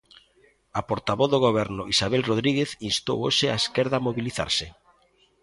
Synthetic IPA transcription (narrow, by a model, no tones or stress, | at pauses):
apoɾt̪aβoθðoɣoβ̞ɛɾnʊʔisaβ̞elroðɾiɣeθinst̪o̰wo̰ʃeaeskɛɾðaːmoβiliθa̰ɾsɪ